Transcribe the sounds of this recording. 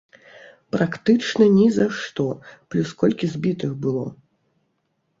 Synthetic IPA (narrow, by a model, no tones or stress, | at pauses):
pɾakt̪ɨt͡ʂnɐnʲizaʂt̪ɔplʲuskɔlʲkʲizʲbʲit̪ɨxbɨlˠɔ